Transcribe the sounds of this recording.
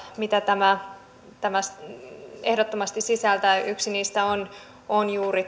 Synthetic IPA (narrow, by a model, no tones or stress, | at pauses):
mit̪æt̪æmæ | t̪æmæs | ehdot̪ːomɑst̪isisælt̪æyksiniːst̪æon | onjuːri